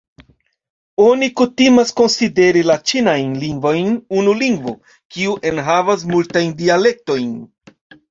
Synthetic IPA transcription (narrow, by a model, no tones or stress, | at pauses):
o̞nikutimasko̞nside̞ɾilat͡ʃinajnliŋɡvo̞jnunuliŋɡvo | kiuʔe̞nɦavas̬multajndiale̞k̚to̞jn